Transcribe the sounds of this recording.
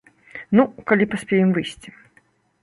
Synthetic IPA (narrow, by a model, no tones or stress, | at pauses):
nukalʲipasʲpʲɛjɛmvɨjsʲt͡sʲi̥